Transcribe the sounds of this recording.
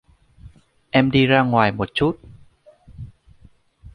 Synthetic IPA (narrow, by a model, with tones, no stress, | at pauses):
ʔɛ˧mɗi˧zaː˧ŋwaː˨˩jmo˨˩t̚t͡ɕu˦˥t̚